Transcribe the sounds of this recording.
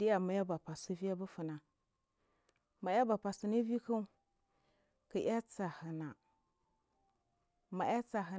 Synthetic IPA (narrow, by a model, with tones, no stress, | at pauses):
di˦ja˨ma˨ja˦ba˨pa˨si˦vi˦a˦bə˦fə˨na˨ | ma˨ja˦ba˨pa˨si˨ni˦vi˦kə˦ | kə˨ʔa˦t͡sa˨hə˨na˨ | ma˨ʔja˦t͡sa˨ɦə˨